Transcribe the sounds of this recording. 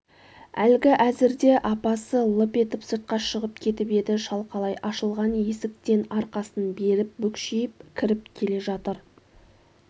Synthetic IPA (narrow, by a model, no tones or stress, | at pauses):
ælɡʲɪʔæzɪɾd̪e̞ʔɑpɑsəlˠəpe̞t̪ɪpsot̪̚qɑʃəʁəp̚kʲʰe̞t̪ɪpe̞d̪ɪʃɑlˠqʰɑlˠɑjʔɑʃəlˠʁɑnje̞sɪk̚t̪e̞nɑɾqɑsənbe̞ɾɪp̚bɵkʃijɪp̚kʲʰɪɾɪp̚kʲʰe̞le̞ʒɑt̪əɾ